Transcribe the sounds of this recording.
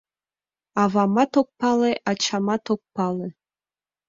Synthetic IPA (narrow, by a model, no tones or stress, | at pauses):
ɑvɑmɑt̪ok̚pɑleʔɑt͡ɕʰɑmɑt̪ok̚pɑlˠe